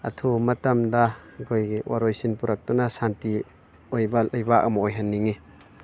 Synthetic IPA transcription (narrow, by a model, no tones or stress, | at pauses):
a̰t̪ʰumɐtɐmdaɡojwa̰ɾojsinpuɾak̚tunasanti | ojbalajbaʔamaojɦanːiŋi